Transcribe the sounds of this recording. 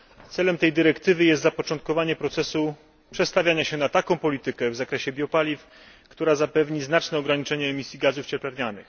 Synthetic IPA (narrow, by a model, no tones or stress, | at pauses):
t̪sɛlɛmt̪ɛjd̪ɘɾɛkt̪ɘvɘjɛst̪zapɔt͡ʂɔ̃nt̪̚kɔvaɲɛpɾɔt̪sɛsu | pʂɛt̪st̪avʲjaɲaɕɛnat̪akɔ̃w̃pɔlʲit̪ɘkɛvzakɾɛɕɛbʲjɔpalʲif | kt̪uɾazapɛvɲiznat͡ʂnɛɔɡɾaɲit͡ʂɛɲɛːmʲisʲjiɡazuft͡ɕɛɾplaɾɲanɘ̰x